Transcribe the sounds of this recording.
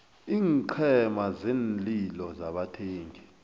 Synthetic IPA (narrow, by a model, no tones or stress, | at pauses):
iːŋǃʰɛmazeːnlilɔzaɓatʰeːŋɡʱi